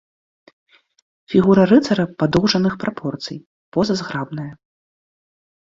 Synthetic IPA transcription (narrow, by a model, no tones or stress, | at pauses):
fʲiɣuɾɐrɨt̪sɐɾɐpad̪ɔwʐɐnɨxpɾapʰɔrt̪sɨ̰j | pɔzɐzɣɾabnɐjɐ